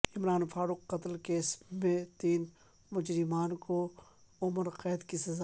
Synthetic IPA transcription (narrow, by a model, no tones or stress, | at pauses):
ɪmɾaːnfaːɾuːqːɐt̪lkeːsmẽt̪iːn | mʊd͡ʒɾɪmaːnkoʊməɾqɛːd̪kisɐzaː